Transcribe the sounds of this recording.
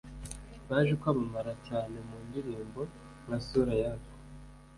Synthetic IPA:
βaːʒekwaβamaɾacaːnemuːndiɾiːmbo̞ | ŋasuɾajako̥

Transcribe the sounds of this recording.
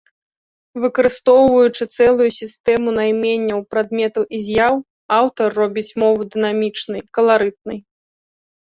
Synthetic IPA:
vɨkɐɾɨst̪ɔwvɐjut͡ʂɨt̪sɛlˠujusʲist̪ɛmunajmʲenʲːɐwpɾad̪mʲɛt̪ɐwʔizʲjaw | awt̪ɐrːɔbʲit͡sʲmɔvɨd̪ɨnamʲit͡ʂnɨjkɐlˠaɾɨt̪̚nɨj

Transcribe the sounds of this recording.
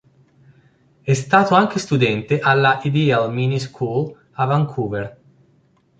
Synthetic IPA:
ɛst̪aːt̪oaŋk̟est̪ud̪ɛnt̪eʔalːaʔid̪ialminiskʰul | avaŋkʰuveɾ

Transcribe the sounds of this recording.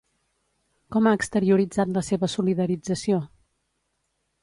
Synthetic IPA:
kɔmaəkst̪əɾiuɾid͡zat̪ləseβəsuliðəɾid͡zəsio

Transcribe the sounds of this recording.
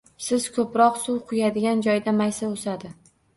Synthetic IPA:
sɪz̥kʰɵpɾɒqsuwqʰʊjad̪ɪɡʲand͡ʒɒjd̪amajsaosad̪ɪ

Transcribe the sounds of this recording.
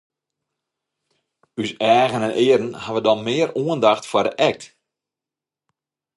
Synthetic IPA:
ysɛːɣənənʔɪːəɾən̩haʋədɔnmɪːəruəndaxtfadəʔɛk̚t

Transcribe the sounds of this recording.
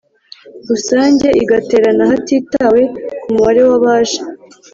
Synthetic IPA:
ɾusaːɲɟe̞ʔiɡate̞ːɾanahatiːtawe̞kumuβaɾe̞waβaːʒḁ

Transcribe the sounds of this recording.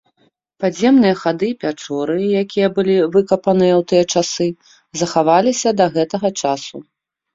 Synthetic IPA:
pazʲɛmn̪ɨjɐxad̪ɨpʲat͡ʂɔɾɨjakʲijɐbɨlʲivɨkɐpɐnɨjɐwt̪ɨjɐt͡ʂasɨ | zɐxavalʲisʲɐd̪ɐɣɛt̪ɐɣɐt͡ʂasṵ

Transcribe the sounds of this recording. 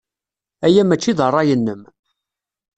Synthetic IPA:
æjæmæt͡ʃːiðərˤːɑjənːəm

